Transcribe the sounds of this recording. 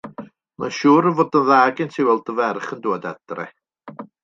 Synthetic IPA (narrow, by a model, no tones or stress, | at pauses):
maʃuːɾəvoːdənðaːɡɪntʰiwɛlˠdəvɛrχəndoːda̰d̥rɛ̰